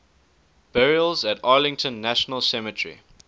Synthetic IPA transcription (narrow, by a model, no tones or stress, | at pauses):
b̥ɛɹiəlˠzətɑːlɪ̃ŋtə̃nːæʃənəlˠsɛmətʰɹḭ